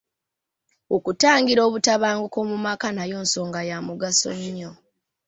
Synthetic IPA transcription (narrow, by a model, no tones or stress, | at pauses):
okutaːŋɡiɾo̞ːβutaβaːŋɡoko̞mumakanajo̞ːnso̞ːŋɡajamuɡaso̞̰ɲːo